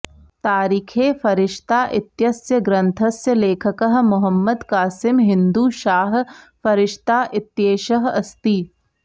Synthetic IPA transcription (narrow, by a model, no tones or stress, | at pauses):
t̪aːɾiːkʰeːfʰɐɾɪʃt̪aːʔɪt̪jɐsjɐɡɾɐ̃nt̪ʰɐsjɐleːkʰɐkɐɦmʊɦəmːəd̪kaːsɪmɦɪ̃nd̪uːʃaːɦ | fʰɐɾɪʃt̪aːʔɪt̪jeːʃɐɦɐst̪iː